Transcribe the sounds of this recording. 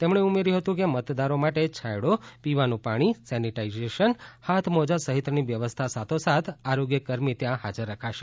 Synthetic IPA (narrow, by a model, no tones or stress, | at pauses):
t̪emɳ̃eumeɾjũɦət̪ũkemət̪d̪aɾomaʈet͡ʃʰajɽopiʋanũpaɽ̃isɛniʈaizeʃənhat̪ʰmod͡ʒasəɦit̪ɾəniʋjəʋəst̪ʰasat̪ʰosat̪ʰaɾoɡjəkəɾmit̪jãhad͡ʒəɾːəkʰaʃe̥